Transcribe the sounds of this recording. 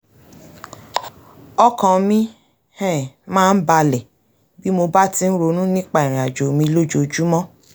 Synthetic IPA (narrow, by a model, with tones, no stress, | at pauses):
ɔ˦kã˨˧mĩ˦ | hɛ̃˦˨mãː˦˧n̩˦ba˧lɛ˨ | bi˦mo˧ba˦ti˧n̩˦ɾo˧nũ˦nĩ˦k͡pa˦˨i˨ɾ̃ĩ˨a˨d͡ʒo˨˦mĩ˧˦lo˦d͡ʒo˨d͡ʒu˦mɔ̃˦